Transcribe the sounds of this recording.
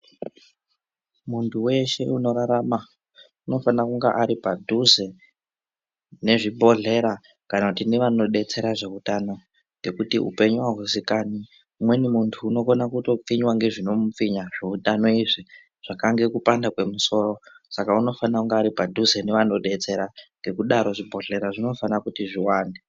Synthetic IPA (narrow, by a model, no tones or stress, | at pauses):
muntʰuwe̞ʃe̞uno̞ɾaɾama | uno̞fanakuŋɡa̰ʔaɾipadʱuze̞ | ne̞ʐibʱo̞ɮe̞ɾa | kanakutineʋano̞ɗe̞t͡se̞ɾaʐe̞utano̞ | ŋɡe̞kutiṵpe̞ɲuwaɦusikani | mwe̞nimuntʰuːno̞konakuto̞p͡fiɲwaŋɡe̞ʐino̞mup͡fiɲaʐeutano̞iʐi | ʐ̥akaŋɡe̞kupandakwe̞muso̞ːro̞ | sakauno̞fanakuŋɡaːɾipadʱuzeneʋano̞ɗe̞t͡se̞ɾaŋɡe̞kuɗaɾo̞ʐibʱo̞ɮe̞ɾaʐino̞fanakutiʐiwaːnde